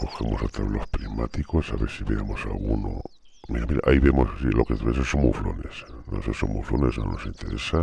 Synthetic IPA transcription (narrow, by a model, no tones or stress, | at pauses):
koxamosat̪ɾaβlospɾimat̪ikosaβesiβeɾamosalɣuno | miɾamiɾaʔaiβemossilokeβesesomuflonesnosesomṵflonesno̰nosint̪eɾesa